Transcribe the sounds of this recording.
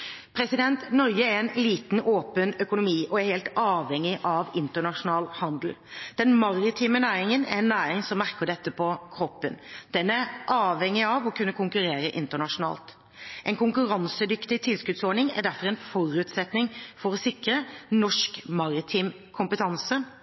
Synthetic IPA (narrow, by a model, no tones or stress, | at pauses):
pʰɾɛsɪd̪ɛnt̪nɔɾɡəæɾɛnliːt̪n̩oːpənœkʊnʊmiːʔɔæɾhɛːlt̪ɑːʋɛŋːɪʔɑʋɪnt̪əɳɑʂʊnɑːlhɑnd̪l̩d̪̥ɛnmɑɾɪt̪ʰiːmənæːɾɪŋənæ̰ɾɛnːæːɾɪŋsɔmmæʁkəɖɛt̪ːəpʰɔkʰɾɔpːənd̪̥ɛnæɾʔɑːʋhɛŋːɪɑʋɔkʰʉnːəkʰʊŋkʉɾeːɾəʔɪnt̪əɳɑʂʊnɑ̰ːlt̪ | ʔɛnkʰʊŋkʉɾɑnsəd̪ʏkt̪ɪt̪ʰɪlskʉd̪sɔːɳɪŋæ̰d̪ɖæɾfɔɾɛnfɔɾʉːt̪sɛt̪nɪŋfɔɾɔsɪkɾənɔʂkmɑɾɪt̪ʰiːm | kʰʊmpət̪ʰɑnsə